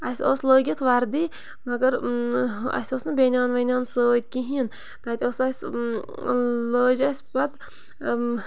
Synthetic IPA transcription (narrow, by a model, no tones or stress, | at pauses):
asʲɔ̰sloːɡʲit̪ʰʋaɾd̪i | maɡɐɾ | a̰sʲɔsnɨbenʲanʋɐnʲansət̪̚kʲiɦin | t̪at̪ʲɔsas | lɔd͡ʒasbad̪